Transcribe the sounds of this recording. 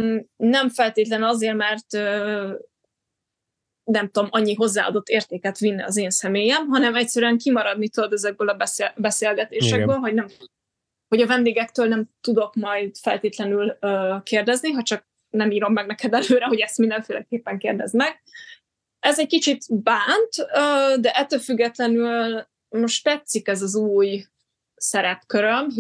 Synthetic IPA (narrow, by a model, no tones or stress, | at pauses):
nɛɱfɛlt̪eːt̪lɛnɒzeːrmɛrt̪ø | nɛmt̪o̞mɒɲːiɦo̞zːa̰ːɒ̰d̪o̞t̪ːeːrt̪eːkɛt̪ʋinːiɒzeːnsɛmeːjɛmɦɒnɛmɛc̚ʲsɛɾyɛŋkimɒɾɒd̪nit̪ød̪ɛzɛɡ̚bøːlɒbɛsbɛseːlɡɛt̪eːʃɛɡbøːlɦo̞ɟnɛm | ho̞ɟɒvɛnd̪eːɡɛkt̪øːlnɛmt̪ud̪o̞kmɒjd̪fɛlt̪eːt̪lɛnyløkeːrd̪ɛzniɦɒt͡ʃɒk̚ | nɛmiːɾo̞mːɛɡ̚nɛkɛd̪ɛløːɾɛɦo̞ɟɛst̪mind̪ɛɱfeːlɛkeːpːɛŋkeːrd̪ɛ̰zmɛɡ | ɛzɛckit͡ʃit̪baːnt̪øːd̪ɛʔɛt̪ːøːlfyɡːɛt̪lɛnyl | moʃt̪t̪ɛt̪sikɛzɒzuːj | sɛɾɛpkøɾøm